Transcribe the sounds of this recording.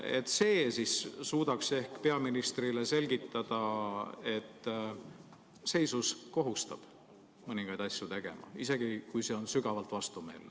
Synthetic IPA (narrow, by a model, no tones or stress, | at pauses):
et̪ːˑse̞ːsissuːd̪̥ɑkse̞hkpe̞ɑminist̪rile̞se̞lʲɡit̪ˑːɑd̪̥ɑe̞t̪ːˑ | se̞jsusko̞ɦust̪ɑb̥ | mɤniŋɡ̥ɑjd̪̥ɑsʲjut̪e̞ɡ̥e̞̰mɑ̰ise̞ɡ̥ikujse̞o̞nsyɡ̥ɑvɑlt̪vɑst̪ume̞ːlːe